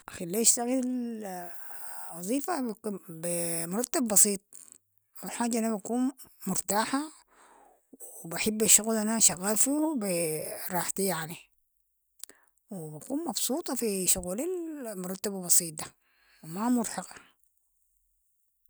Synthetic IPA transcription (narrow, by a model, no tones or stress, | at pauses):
ʔaxalːiːʃt̪aɣi | wɑzˤiːfabimʊɾˤɑt̪ːabbɑsˤiːt̪̚ˤ | muħaːd͡ʒːaʔanabakuːn | mʊɾˤt̪aːħa | wibaħɪbːaʃːuɣlʔanaʃaɣːaːlfibiɾˤɑːħt̪ijaʕni | wibakuːnmɑbsˤuːt̪ˤɑfiʃʊɣuːlilmʊɾˤɑt̪ːababɑsˤiːt̪̚d̪a | wimamʊɾħɑqa